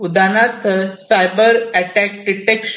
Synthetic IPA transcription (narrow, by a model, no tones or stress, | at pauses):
ud̪anat̪sajbəɾæʈæk̚ɖiʈekʃ